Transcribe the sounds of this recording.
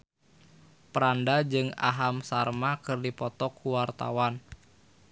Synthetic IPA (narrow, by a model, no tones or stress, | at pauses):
pəɾandad͡ʒɨŋa̰ɦamsarmakɨrdipɔt̪ɔkːuwart̪a̰wan